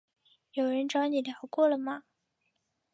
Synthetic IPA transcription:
jo˨˩ʊɻə˧˥nʈ͡ʂɑ˧˥ʊni˨˩ljɑ˨˧˩ʊkwɔ˥˩lə˩mɐ˩

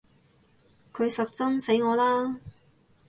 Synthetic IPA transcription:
kʰɵ˨˧ɥsɐ˨k̚t͡sɐ˥nse˨˥jŋɔː˨˧laː˥

